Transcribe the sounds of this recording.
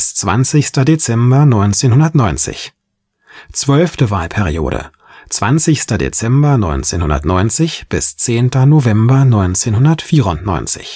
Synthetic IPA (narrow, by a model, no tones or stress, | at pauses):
st͡sv̥a̰nt͡sɪçstɐdet͡sɛmbɐnɔʏnt͡seːnɦʊndɐtnɔʏnt͡sɪ̰ç | t͡sv̥œlftəvaːlpʰɛʁio̰ːɾə̰ | t͡sv̥a̰nt͡sɪçstɐdḛt͡sɛmbɐnɔ̰ʏnt͡seːnhʊ̰ndɐ̰tnɔʏnt͡sɪçb̥ɪst͡seːntɐnovɛmbɐnɔʏnt͡seːnhʊndɐtfiːʁʊntnɔ̰ʏnt͡sɪ̰ç